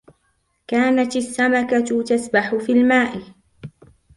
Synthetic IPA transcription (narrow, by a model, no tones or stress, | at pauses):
kaːnat̪asːamakat̪asbaħʊfiːlmaːʔɪ